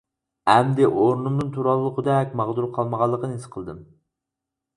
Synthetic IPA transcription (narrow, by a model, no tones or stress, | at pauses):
ɛmd̪ɪʔoɾnumd̪ɨnt̪ʰuɾɑlˠːəqʰəd̪ɛkʲmɑʁd̪uɾqʰɑlˠməʁɑlˠːəqənesɨ̥qʰəlˠɨd̪ɨm